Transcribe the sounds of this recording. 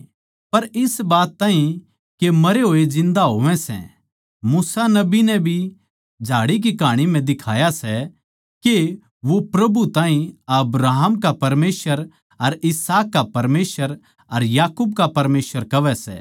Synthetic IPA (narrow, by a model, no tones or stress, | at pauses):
pɐɾɪsbaːt̪ːaːɦĩ | kemɐɾeɦoːed͡ʒɪ̃nd̪aɦoːʋɛ̃sɛ̰̃ | muːsanɐbinɛbʱi | d͡ʒʱaːɽik̬ikaːɽ̃im̤ɛ̃d̪ɪkʰaːjasɛ | ke | ʋopɾɐbut̪ãːɦĩɐbɾaːɦəmkapɐɾmeːsʋəɾ | ɐɾɪsaːkːapɐɾmeːsʋəɾ | ɐɾjaːkuːb̚kapɐɾmeːsʋəɾkɐʋɛsɛ̰ː